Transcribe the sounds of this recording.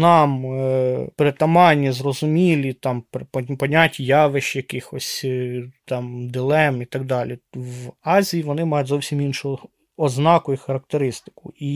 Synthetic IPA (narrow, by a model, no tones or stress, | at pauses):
nɑm | pɾet̪ɐmɑnʲːizrɔzʊmʲilʲit̪ɑmpppɔnʲatʲijɑʋɪʃjɐkɪxɔsʲt̪ɑmd̪ɪlˠɛmit̪ɐɡ̚d̪ɑlʲiʋɑzʲijiʋɔnɪmɑjʊtʲzɔwsʲiminʃʊ | ɔznɑkʊixɐɾɐk̚t̪eɾɪst̪ɪ̥kʊi